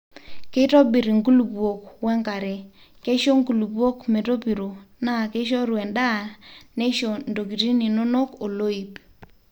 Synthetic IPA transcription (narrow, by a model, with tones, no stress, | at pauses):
ke˦to˦bi˨ɾi˨ŋku˦lu˨bwo˨kwɛ˦ŋka˨ɾe˨ | ke˦ʃo˦ŋku˨lu˨bo˦kme˨to˦pi˨ɾo˨na˦˨ke˦ʃ̬ɔ˦ɾwɛ˨nda˦˨ne˦ʃo˨ndo˨k̬i˨ti˦ni˨no˦no˦ko˨lo˦i˨p